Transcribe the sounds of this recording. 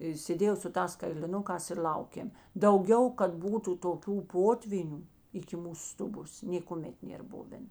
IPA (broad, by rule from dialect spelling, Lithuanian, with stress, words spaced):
ɪ sʲeːˈdʲeːjɛʊ sʊ ˈtɑːs kɐɪlʲɪˈnʊkɑːs ɪr ˈlʲɐʊkʲeːm dɐʊˈɡʲɛʊ kɐt ˈbuːtʊ toːˈkʲuː ˈpoːtʲʋʲiːnʲuː ɪkʲɪ ˈmuːsʊ ˈstʊˌboːs nʲeːkʊˈmʲɛt ˈnʲeːr ˈbʊʋʲɛn